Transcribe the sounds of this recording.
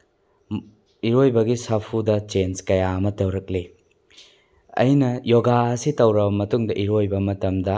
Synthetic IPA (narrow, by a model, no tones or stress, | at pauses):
iɾojbɐɡisapʰudɐt͡ʃenskɐjaɐmɐtɐwɾɐk̚li | ɐ̰jnɐjoɡaɐsitɐwɾɐbɐmɐtuŋdɐʔiɾojbɐmɐtɐmdɐ